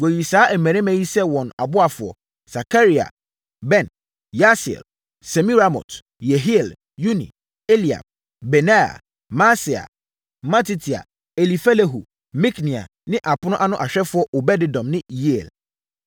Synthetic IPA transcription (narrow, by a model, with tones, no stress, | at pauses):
ɡo˨ji˨saː˨˦ʔɛ˨mɛ̃˨nɛ̃˦mɛ̃˦ji˦sɛ˦wɔ̃˨na̰˨bʊ˦a˨fʊ˨ɔ̰˨ | sa˨kʰa˦ɾi˨a̰˨ | bɛ̃˦˨n | ja˦sḭ˨l | sɛ˨mĩ˦ɾa˦mɔ̰˨t | jɛ˨ɦi˦ɛ˨l | ju˦nḭ̃˨ | e˦li˨a̰˨p̚ | bɛ˨na˦a̰˨ | ma˦si˨a̰˨ | mã˦ti˦tʰi˨a̰˨ | e˨li˨fɛ˦le˦ɦu˨ | mĩ˦knĩ˨a̰˨ | nɪ̃˦ʔa˨pʊ˦nʊ̃˦ʔa˦nʊ̃˦ʔa˨ɕᶣɛ˦fʊ˦ɔ˦ʔo˨bɛ˦dɪ˨dɔ̃˨mnɪ̃˦ji˦e˨l